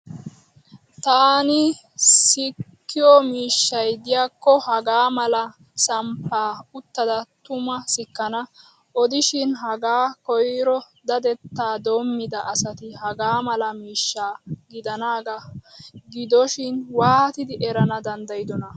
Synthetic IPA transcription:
t̪aːnɪ | sɪkːɪjɔmiːʃːɐjd̪ɪjaːkːɔhɐɡaːmɐlɐ | sɐmpːaːʊt̪ːɐd̪ɐt̪ʊmɐsɪkːɐnɐ | ʔɔd̪ɪʃɪnɦɐɡaːkɔjɾɔ | d̪ɐd̪ɛt̪ːaːd̪oːmːɪd̪ɐʔːsɐt̪ɪhɐɡaːmɐlɐmiːʃːaːɡɪd̪ɐnaːɡɐɡɪd̪ɔʃɪnwaːhɐt̪ɪd̪ɪʔɛɾɐnɐd̪ɐnd̪ɐjd̪ɔnɐ

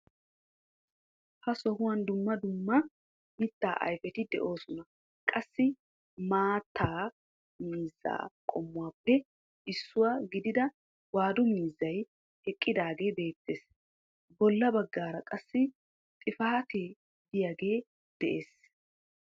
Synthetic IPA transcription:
hɐsɔhʊwɐnd̪ʊmːɐd̪ʊmːɐ | mɪt̪ːa̰ːʔɐ̰jfɛt̪ɪd̪ɛ̰ʔo̞ːsʊnɐ | kʼɐsːɪ | maːt̪ʰːaː | miːzːa̰ːkʼɔmːʊwaːpːɛ | ɪsːʊwaːɡɪd̪ɪd̪ɐ | waːd̪ʊmiːzːɐj | hɛkʼːɪd̪aːɡe̞ːbe̞ːt̪ːeːs | bɔlːɐbɐɡːaːɾɐkʼɐsːɪ | t̪ʼɪfaːt̪eː | d̪ɪjaːɡe̞ː | d̪̥ɛʔe̞ːs

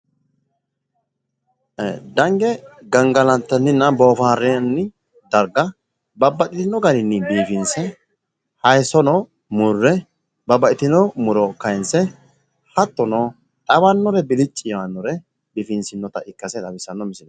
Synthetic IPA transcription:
d̪ɐŋɡɛɡɐŋɡɐlɐnt̪ːɐnːɪnːɐboːfaːɾːɛɐnːɪ | d̪ɐɾɡɐ | bɐbːɐtʼɪt̪ɪnːɔɡɐɾɪnːɪbiːfɪnsɛ | hɐjsɔnɔ | mʊrːɛ | bɐbɐtɪt̪ɪnɔmʊɾɔkɐjɪnsɛ | hɐt̪ːɔnɔ | ᶑɐbɐnːɔɾɛbɪlɪt͡ʃʼːɪjwɐnːɔɾɛ | bifɪnsɪnːɔt̪ɐʔɪkːɐsɛt̪ʼɐbɪsːɐnːɔmɪsɪnɔ

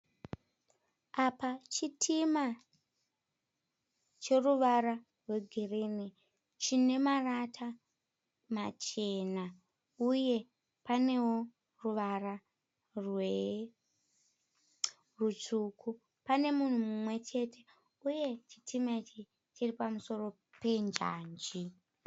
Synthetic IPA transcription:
apat͡ʃitʰima | t͡ʃe̞ruʋaɾa | rwe̞ɡʱirini | t͡ʃine̞maratʰa | mat͡ʃe̞na | uje̞ | pane̞wo̞ | ruʋara | rwe | rut͡sukʰu | pane̞mun̤umumwe̞t͡ʃe̞te̞ | uje̞ti̥tʰimait͡ʃi | tʰiripamuso̞ro̞ | pe̞nd͡ʒa̰ːnd͡ʒi

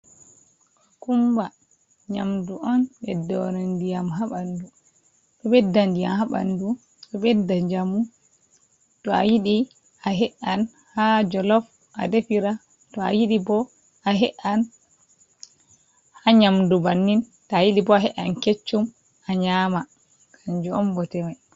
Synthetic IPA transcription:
kumba | ɲamduʔɔnɓɛdɔɾandijamɦaɓandu | ɓɔɓɛdːandija̰mhaɓa̰ndu | ɗɔɓɛdːaɲd͡ʒamu | tɔa̰jiɗi | aɦɛʔan | had͡ʒɔlɔf | ʔa̰defiɾa | tɔa̰jiɗibɔ | aɦɛʔan | haɲamdubanːin | taːjiɗibɔaɦɛʔanket͡ʃːum | aɲaːma | kʰaɲd͡ʒuɔmbɔtɛmaj

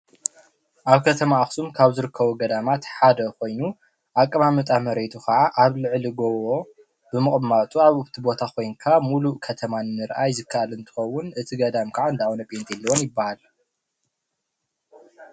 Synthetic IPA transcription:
ʔaβkʰɐt̪ʰɐmaːxsumkʰaβzɨɾɨkʰːɐβuɡɐd̪amat̪ħad̪ɐko̞jnu | ʔakʼːɐmamɨt̪ʼamɐɾet̪ʰukʰɐʕaʔaβlɨʕliɡoβo | bɨmɨχʼmat̪ʼuaβɨβt̪ʰibo̞t̪ʰakʰo̞jŋkʰamulukʰɐt̪ʰɐmanːɨɾʔajzɨkʰːaʔalɨnt̪ʰɨ̥xɐwːʊnɨt̪ʰiɡɐd̪amkʰaʕaɨnd̪ʰawonɐpʼent̪jɛlːɐwonjɪbːahal

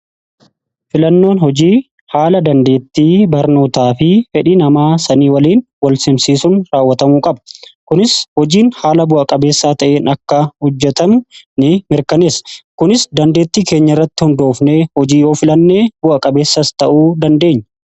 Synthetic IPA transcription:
fɪlɐnːo̞ːnhɔd͡ʒiː | haːlɐd̪ɐnd̪e̞ːt̪ːiːbɐɾno̞ːt̪aːfɪfɛᶑinɐmaːsɐniːwɐliːnwɐlsɪmsiːsʊnɾaːwːɐt̪ɐmuːkʼɐbɐ̥kʊnɪshɔd͡ʒiːnhaːlɐbʊʔɐkʼɐbe̞ːsːaːt̪ɐʔeːnɐkːɐhɔd͡ʒːɛt̪ɐmnɪmɪɾkɐne̞ːskʊnɪsd̪ɐnd̪e̞ːt̪ːiːke̞ːɲːɐɪrːɐt̪ːɪhʊnd̪o̞ːfneːhɔd͡ʒiːjo̞ːfɪlɐnːe̞ːbʊʔɐkʼɐbe̞ːsːɐst̪ɐʔuːd̪ɐnd̪e̞ːɲːɐ

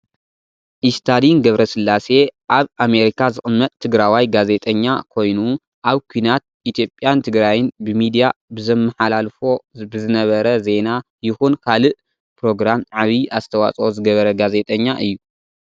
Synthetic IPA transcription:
ʔist̪ʰad̪inɡɐβɾɐsɨlːase̞ʔaβʔame̞ɾikʰazɨxʼɨmːɐt̪ʼt̪ʰːɨɡɾawajɡaze̞t̪ʼɐɲːakʰo̞jnu | ʔaβkʷʰuinat̪̚ʔit̪ʰjo̞pʼːjant̪ʰɨɡɾajɪnbɨmid̪ijabɨzɐmːɨħalalfo̞bɨzɨnɐβɐɾɐze̞na | jɪxunkʰalɨʔ | pɾo̞ɡɾamʕaβiʔazɨt̪ʰɐwa̰t͡sʼo̞zɨɡɐβɐɾɐɡaze̞t̪ʼɐɲːaʔɨjːu

